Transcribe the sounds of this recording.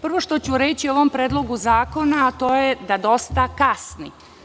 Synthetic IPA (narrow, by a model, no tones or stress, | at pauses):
pr̩ʋo̞ʃt̪ot͡ɕuɾet͡ɕio̞ʋo̞mpɾeːd̪lˠo̞ɡuzaːko̞naːt̪o̞ːjed̪ad̪o̞st̪akasni